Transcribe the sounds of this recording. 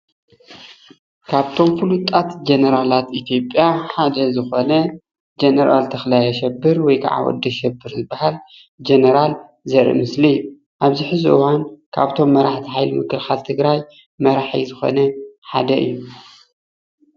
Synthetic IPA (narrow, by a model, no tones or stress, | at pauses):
kʰaβt̪ʰo̞mfulut̪ʼat̪d͡ʒenɐɾalat̪ʔit̪ʰjo̞pʼːjaħad̪ɐzɨxonɐ | d͡ʒenɐɾalt̪ʰɐxlajɐʃɛbːɨɾwɔjkʰa̰ʕa̰wɔ̰d̪ːɐʃɛbːɨɾzɨbːahal | d͡ʒenɐɾal | zɐɾḭmɨslijːu | ʔaβziħɨzuʔwankʰa̰βt̪ʰo̞mːɐɾaħt̪ʰiħajlɨmɨkːɨlxalt̪ʰɨɡɾaj | mɐɾaħḭzɨxo̞̰nɐħa̰d̪ɐʔɨ̰jːu